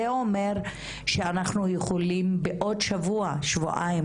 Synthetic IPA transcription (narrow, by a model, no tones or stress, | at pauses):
eo̞me̞ʁ | ʃeanaχnujeχolimbeʔo̞dʃavuaʃvo̰ʔa̰i